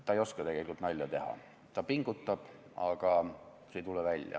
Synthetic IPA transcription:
t̪ːˑɑejo̞skɑt̪e̞ɡ̥e̞lʲikult̪nɑlʲjɑt̪e̞hɑ̰ | t̪ɑpiŋɡ̥ut̪ːɑb̥ | ɑɡ̥ɑ | set̪ulɛvælʲjɑ̰

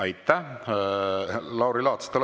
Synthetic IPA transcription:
ɑjt̪ːæ | lɑwɾilɑːt̪st̪ul

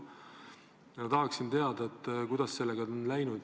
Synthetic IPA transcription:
jɑt̪ɑɦɑksint̪e̞ɑd̪ɑet̪ːˑkujd̪̥ɑsːe̞lːeɡ̥ɑonlæjnud̪̥

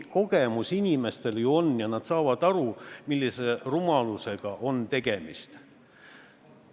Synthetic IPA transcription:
ko̞ɡemusinʲime̞st̪e̞ljuo̞nːjɑnɑd̪̥sɑːvɑd̪̥ɑɾumilːise̞rumɑluse̞ɡ̥ɑʔo̞nt̪e̞ɡ̥e̞mḭst̪

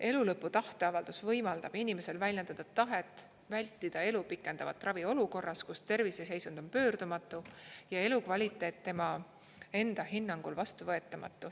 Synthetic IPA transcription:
e̞lulɤpːˑut̪ɑht̪e̞ɑvɑld̪̥usvɤjmɑld̪̥ɑb̥inime̞se̞lvælʲjɑnd̪ɑd̪̥ɑt̪ɑɦe̞t̪ːˑ | vælʲt̪ːˑid̪̥ɑe̞lupikːˑe̞nd̪̥ɑvɑ̰t̪ːˑrɑvio̞luko̞rːɑskust̪e̞rvise̞se̞jsund̪̥o̞npø̞ːrd̪̥umɑt̪ːˑujɑe̞lukvɑlʲit̪ːˑe̞ːt̪ːemɑ | e̞nd̪̥ɑɦinːɑŋɡ̥ulvɑst̪uvɤe̞t̪ːˑɑmɑ̰t̪ːˑu

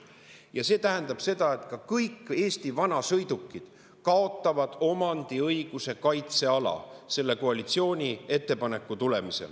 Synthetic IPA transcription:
jɑse̞ːt̪æɦend̪ɑb̥se̞d̪̥ɑe̞t̪kɑkɤjkːe̞ːst̪ivɑnɑsɤ̞jd̪̥ukːˑid̪̥ | kɑo̞t̪ːˑɑvɑd̪̥o̞mɑnd̪̥iɤjɡ̥use̞kɑjt̪se̞ɑlɑ̰se̞lːe̞ko̞ɑlit̪sio̞ːnʲie̞t̪ːe̞pɑne̞kːˑut̪ule̞misḛl

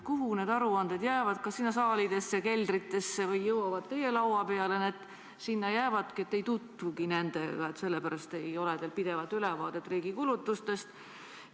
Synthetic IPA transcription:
kuɦune̞ːd̪ɑɾuɑnd̪̥ed̪̥jæːvɑd̪̥kɑsinːɑsɑːlid̪̥e̞sːeke̞ld̪rit̪ːˑe̞sːe̞vɯjːɤwɑvɑd̪̚t̪e̞je̞lɑwɑpe̞ɑlened̪̥ | sinːɑjæːvɑd̪̥kiet̪ːe̞jt̪ut̪vukine̞nd̪̥ḛɡ̥ɑe̞t̪se̞lːepæɾɑst̪ejo̞led̪elpid̪e̞vɑlt̪ːylɛvɑːd̪̥e̞t̪ːˑriːɡ̥ikulut̪ːˑust̪e̞st̪

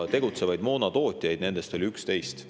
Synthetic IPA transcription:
t̪e̞ɡut̪se̞vɑjd̪mo̞ːnɑt̪o̞ːt̪ʲijɑjd̪̥ne̞nd̪̥e̞st̪o̞lʲiykst̪e̞jst̪

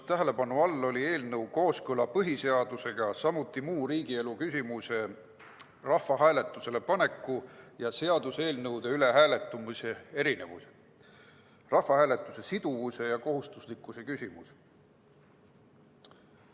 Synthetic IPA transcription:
t̪æɦe̞le̞pɑnuɑlːo̞lʲie̞ːlnɤwko̞ːskɤlɑpɤɦise̞ɑd̪̥use̞ɡ̥ɑsɑmut̪ːˑimuːɾiːɡ̥ie̞lukysʲimuse̞ | rɑhfːɑɦæːle̞t̪ːˑuse̞le̞pɑne̞kːˑujɑse̞ɑd̪̥use̞ːlnɤwd̪̥e̞yle̞ɦæːle̞t̪ːˑumuse̞e̞ɾine̞̰vṵse̥d̪̥ | rɑhfɑhæːle̞t̪ˑːuse̞sid̪̥uvuse̞jɑko̞ɦust̪uslikːˑuse̞kysʲimus

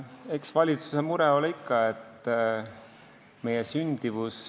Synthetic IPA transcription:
e̞ksvɑlʲit̪su̥semuɾɛo̞likːɑe̞t̪ː | me̞jesynʲd̪̥ivus

